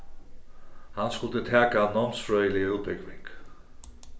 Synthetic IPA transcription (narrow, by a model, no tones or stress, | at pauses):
hanskʊlt̪ət̪ʰæːkanɔmsfɹœːʏjəlɪuːt̪̚bɪkʋɪŋk